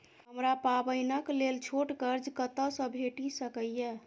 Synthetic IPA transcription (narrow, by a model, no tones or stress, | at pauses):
ɦəmɾapabəjnəklelt͡ʃʰoʈɡəɾd͡ʒkət̪əsə̃bʱeʈisəkəjje